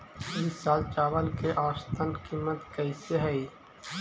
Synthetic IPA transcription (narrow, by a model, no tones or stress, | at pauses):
liːsːaːlt͡ʃaːʋəlkeʔaːst̪ənkiːmət̪kəiseɦɐi